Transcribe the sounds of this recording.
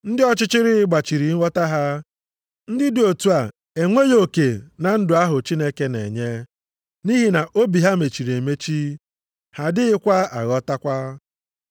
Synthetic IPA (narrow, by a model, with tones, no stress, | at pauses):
n̩˦dɪ˦ɔ˦t͡ʃɪ˦t͡ʃɪ˦ɾɪ˦ɪ˦ɡ͡ba˨t͡ʃi˨ɾi˨˦ŋʷɔ˦ta˦ɦa˦ | n̩˦dɪ˦dɪ˨o˨tu˦a˨ | e˨ŋʷe˦jo˦ke˨na˨n̩˦dʊ˨a˦ɦʊ˨t͡ʃi˦ne˦ke˦nḛ˨ɲe˦ | ni˦ɦi˨na˨ʔo˦bi˨ɦa˦me˨t͡ʃi˨ɾe˨me˦t͡ʃi˦ | ha˨dɪ˦ɪ˦kʷa˦a̰˨ɣɔ˦ta˦kʷa˦